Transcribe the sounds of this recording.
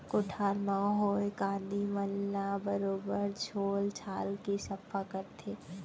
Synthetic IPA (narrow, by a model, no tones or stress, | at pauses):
kʊʈʰaːɾmãɦoːjkãːnd̪iməlːabəɾoːbəɾt͡ʃʰoːlt͡ʃʰaːlkisɐfʰakɐɾt̪ʰeː